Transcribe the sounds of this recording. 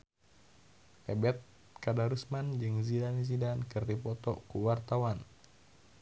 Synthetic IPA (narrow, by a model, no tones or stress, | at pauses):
ʔɛbɛt̪̚ | kadaɾusmand͡ʒɨŋzidanizidankɨrdipɔt̪ɔkuwart̪awan